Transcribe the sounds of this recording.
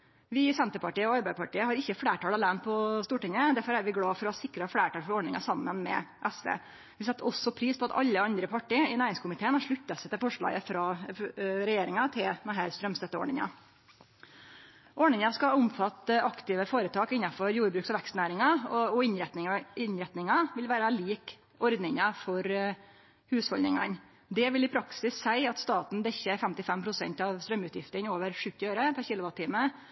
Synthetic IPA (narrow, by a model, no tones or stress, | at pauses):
ʋɪsɛnt̪əɾpɑʈiːəɔɑɾbæɪd̪pɑʈiːəhɑɾɪçːəfɽeːʈʰɑːlɑlæːnpʰɔst̪uːʈɪŋəd̪æɾfɔɾæɾʋɪɡɽɑːfɔɾɔhɑsɪkɾəhɑfɽeːʈɑːlfɔɾɔɖɳɪŋɑ̰sɑmːənmɛ̰ʔɛsʋḛː | ʋɪsɛt̪ːɔsːɔpʰɾiːspɔɑt̪ɑ̰ʎːəɑnd̪ɾəpʰɑʈiːəɪnæːɾɪŋskʊmɪt̪ʰeːənhɑʂɭʉt̪ːɑsɛɪt̪ɪlfɔʂɭɑ̰ːɡəfɾɑː | ɾɛjeːɾɪŋɑt̪ʰɪld̪ɛnɦæːɾst̪ɾœmst̪ɛt̪ːəɔ̰ːɳɪŋɑ̰ | ʔɔɳɪŋɑskɑʊmfɑt̪ːəʔɑkt̪ɪʋəfoːɾət̪ʰɑːkɪnːɑfɔɾjuːɾbɾʉːksɔʋɛkst̪næːɾɪŋɑɔɪnɪnɾɛt̪nɪŋɑʋɪlʋæːɾɑliːk | ɔɾd̪nɪŋɑfɔɾ | hʉːshɔlnɪ̰ŋɑ̰n | d̪ɛʋɪlɪpʰɾɑksɪsːæɪɑt̪st̪ɑːt̪n̩d̪ɛçːəɾfɛmt̪ɪfɛmpʰɾʊsɛ̰nt̪ɑʋst̪ɾœmːʉːt̪jɪft̪əɾnoːʋəɾʂʉt̪ːɪøːɾəpʰæɾçɪːlʊʋɑt̪t̪ʰːiːmə